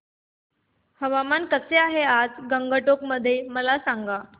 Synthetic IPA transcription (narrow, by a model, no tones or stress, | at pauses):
həʋamankəseaɦead͡zɡəŋɡəʈokməd̪ʱːjeməlasaŋɡa